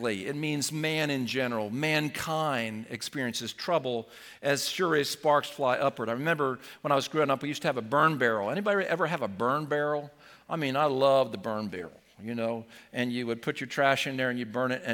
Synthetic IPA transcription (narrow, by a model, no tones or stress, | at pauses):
liɪ̰t̚mĩnzmæ̃nɨ̃nd͡ʒɛnə˞l̩ˠmæ̃nkʰãɪ̃ndɨ̰kspɪɹiɨ̃nsɨz̥tʰɹ̥ʌbl̩ˠ | ʔɨz̥sʊɹispɑɹksflaɪʔʌpwə˞ɾaɪɹɨmɛ̃mbə˞wə̃ɾ̃aɪwʌzɡɹoʊɪ̃ŋʌpwijʉstɨːvəbɜ̃˞nbɛɹl̩ˠɛñibɑɾiwɨʔɛvə˞ɨvəbɜ̃˞nbɛɹl̩ˠ | ʔaɪmĩnaɪlʌvðɨbɜ̃˞nbɛ̰ɹl̩ˠjɨnoʊʔɨ̃njɨwɨd̚pʰʊt͡ʃə˞tʰɹ̥æʃɨ̃nðə˞ɨ̃njɨd̚bɜ̃˞nɨɾɨ̃